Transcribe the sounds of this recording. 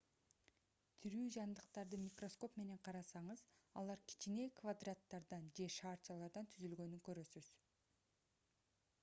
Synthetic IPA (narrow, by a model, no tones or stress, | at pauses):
t̪ʰiɾyːd͡ʒɑnd̪ɯqt̪ɑɾd̪ɯmʲikro̞sko̞pme̞ne̞ɴqʰɑɾɑsɑɴɯzɑlˠɑɾkʰʲi̥t͡ʃine̞kvad̪rat̪ːɑɾd̪ɑnd͡ʒe̞ʃɑːɾt͡ʃɑlˠɑɾd̪ɑnt̪ʰyzylɡø̞nyŋkø̞ɾø̞syz̥